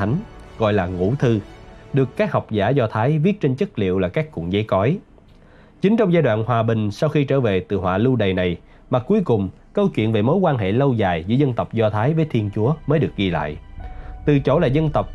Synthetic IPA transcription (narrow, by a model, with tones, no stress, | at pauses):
a˨˦jŋ̟ɣɔ̰˧˨jlaː˨˩ŋṵ˧˥t̪ʰɨ˧ɗɨ˨˩əkːaː˦˥k̚ha˨˩wk͡p̚zaː˧˩zɔ˧t̪ʰaː˨˦jvi˦˥ət̚t͡ɕe˧nt͡ɕə˦˥t̚lḭ˧˨əwlaː˨˩kaː˦˥kːṵ˧˨əŋzə˨˦jkɔ˨˦j | t͡ɕï˨˦ŋt͡ɕɔ˧wŋ͡mzaː˧jɗwa̰ː˧˨nhwaː˨˩ɓï˨˩ŋ̟sa˧wxi˧t͡ɕə̰ː˧˩ve˨˩t̪ɨ̰˧˨˩ɦwa̰ː˧˨lu˧ɗə˨˩jna˨˩j | maː˨˩ku˨˦jkʊ˨˩ŋ͡m | kə˧wt͡ɕwḭ˧˨ənve˨˩mo˨˦jkwaː˧nɦḛ˧˨lə˧wzaː˨˩jzɨ̰˧˥zə˧nt̪ə˨˩wk͡p̚zɔ˧t̪ʰaː˨˦jvəː˨˦jt̪ʰi˧ənt͡ɕu˨˦əməː˨˦jɗɨ˨˩ək̚ɣi˧la̰ː˧˨jʔt̪ɨ˨˩t͡ɕo˧˩laː˨˩zə˧nt̪ə˨˩wk͡p̚